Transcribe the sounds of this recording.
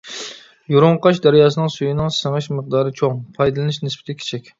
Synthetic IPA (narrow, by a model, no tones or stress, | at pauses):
juɾʊŋqɑʃd̪æɾɪjɑːsɨnɨŋsujinɨŋsəŋɨʃməq̚d̪ɑːɾɨt͡ʃʰoŋpʰɑjd̪ɨlˠɨnɨʃnɪspɪ̥t̪ʰɪkʲʰe̥t͡ʃʰɛkʲ